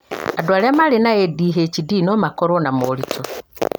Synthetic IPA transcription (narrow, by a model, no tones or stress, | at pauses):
adwalamalenaediːɦecidinomakoɾonamolito